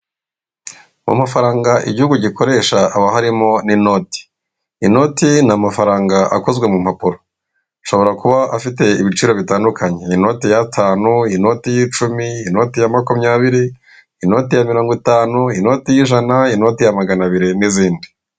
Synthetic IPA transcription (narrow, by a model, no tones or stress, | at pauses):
mṵmafaɾaːŋɡaʔḭɟihuɡuɟikʰo̞ɾe̞ːʃaːβaɦaɾimo̞nino̞ti̥ | ino̞tinamafaɾaːŋɡaʔa̰ko̞zɡwe̞mumhapuɾo | ʃo̞βo̞ɾakuβaʔafite̞iβit͡ʃiːɾo̞βitaːndukʰaɲe̞ino̞tijatʰaːnuino̞tijiːt͡ʃumiːno̞tijamakumɲaːβiɾi | ino̞tijamiɾoːŋɡwitaːnuino̞tijiːʒanaino̞tijamaɡanaβiɾiniziːndi